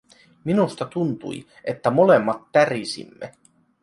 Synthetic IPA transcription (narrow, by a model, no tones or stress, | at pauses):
minust̪ɑt̪unt̪ṵj | ʔe̞t̪ːæmo̞le̞mːɑt̪ːærisḭmːḛ